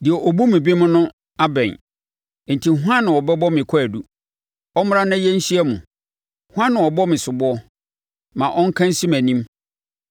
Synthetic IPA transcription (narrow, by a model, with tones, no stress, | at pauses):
dɪ˨ɛ˨ʔɔ˨bu˦mɪ̃˨bi˦mʊ̃˦nʊ̃˦ | a˦bɛ̰̃˨n˨ | n̩˨tʰi˨ɦu˦ã˦nːɪ̃˨wɔ˨bɛ˦bɔ˦mɪ̃˨kʷʰɔ˦æ˨du˦ | ɔ˦mʊ˦ã˦nã˦jɛ˦n̩˦ɕi˦ɛ˦mʊ̰̃˨ | hʊ˦ã˦nːɪ̃˨wɔ˨bɔ˦mɪ̃˨sʊ˨bʊ˦ɔ˦ | mã˨ʔɔ˦ŋ̩˦kʰã˦n˦si˦mæ̃˨nĩ˦m